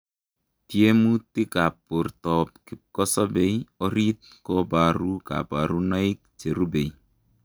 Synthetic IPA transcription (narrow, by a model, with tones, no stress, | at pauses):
tje˦mu˦ti˦ka˨pu˨ɾtɔ˨p̚kɪ˨kɔ˦sɔ˦be˨jɔ˦ɾi˦t̚ | kɔ˦ba˨ɾu˦ka̰˨ba˨ɾu˦na˦i˦k̚t͡ʃe˨ɾu˦be˨i